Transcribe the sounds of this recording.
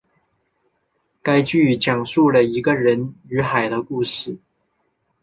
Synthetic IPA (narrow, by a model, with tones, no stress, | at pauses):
ka˥ɪt͡ɕy˥˩t͡ɕjɑ˨˩ŋʂu˥˩lə˩i˧˥ɡə˧ɻə˧˦˥ny˧˥xa˨˩ɪd̪ə˦ku˥˧ʂɻ̩˥˩